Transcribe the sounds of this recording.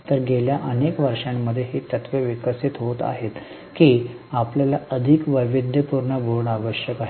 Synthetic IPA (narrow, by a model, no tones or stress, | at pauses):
t̪əɾɡeljaʔənekʋəɾʂamːəd̪ʱːjeɦiːt̪ət̪ʋjəʋikəsit̪ɦot̪a̰ɦet̪ | kiː | apljalaəd̪ʱikʋəjʋid̪ʱjəpuɾɳəboɭɳaʋəɕjəkaɦe